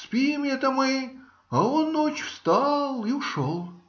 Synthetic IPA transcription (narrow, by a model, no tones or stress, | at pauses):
spʲijmɛt̪ɐmɨ | ɐonːot͡ɕfst̪ɑlˠiʊʂolˠ